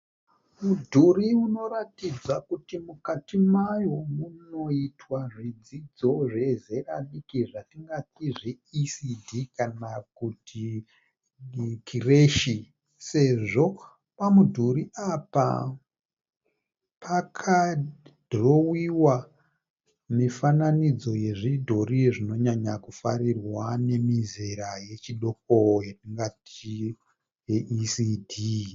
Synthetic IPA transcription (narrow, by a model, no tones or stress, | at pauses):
mudʱuriuno̞ɾatid͡zakutimukatimajo̞muno̞itwaʐid͡zid͡zo̞ʐe̞zeraɗikiʐatiŋɡatiʐeisidʱikanakutʰi | kʰireʃi | se̞ʐo̞ | pamudʱuɾiʔapa̰ | pʰakʰad̥ʱro̞wiwa | mifananid͡zo̞je̞ʐidʱoɾijeʐino̞ɲaɲakufaɾirwane̞mizeɾaje̞t͡ʃiɗo̞k̚ojeiŋɡati | jeʔisidʱi